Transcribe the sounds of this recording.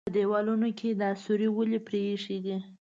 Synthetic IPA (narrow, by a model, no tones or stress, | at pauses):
əd̪ewɑlunokʰed̪əasuɾiwəlepɾeʂed̪i